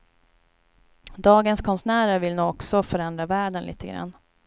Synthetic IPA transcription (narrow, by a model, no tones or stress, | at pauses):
d̪ɑːɡənskʰɔnsnæːɾəɾvɪlnuːɔksɔfœɾɛnd̪ɾavæːɖənlḭːt̪ʰəɡɾa̰nː